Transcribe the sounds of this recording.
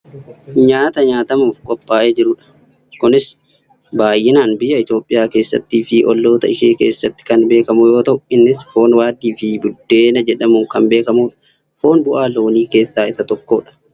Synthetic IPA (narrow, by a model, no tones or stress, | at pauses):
ɲaːt̪ɐɲaːt̪ɐmuːfkʼɔpʼːaːʔeːd͡ʒɪɾʊᶑɐ̥ | kʊnɪs | baːjːɪnaːnbɪjɐɪt̪joːpʼːɪjaːke̞ːsːɐ̰t̪ːiːfɪʔɔlːo̞ːt̪ɐɪʃeːke̞̰ːsːɐt̪ːɪ̥kɐnbe̞ːkɐmʊjo̞ːt̪ɐʔʊɪnːɪsfo̞ːnwaːd̪iːfɪbʊd̪ːe̞ːnɐd͡ʒɛᶑɐmuːkɐnbe̞ːkɐmuːᶑɐ̥ | fo̞ːnbʊʔaːlo̞ːniːke̞ːsːaːɪsɐt̪ɔkːo̞ːᶑɐ̥